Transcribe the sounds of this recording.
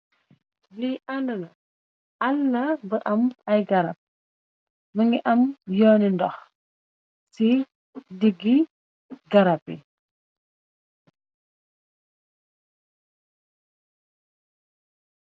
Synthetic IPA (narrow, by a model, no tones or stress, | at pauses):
liʔandɐlɐ | ʔɐlːɐbəʔɐmɐjɡɐɾɐp̚ | məŋɡiʔɐmjɔːnindɔx | si | diɡːi | ɡɐɾapḭ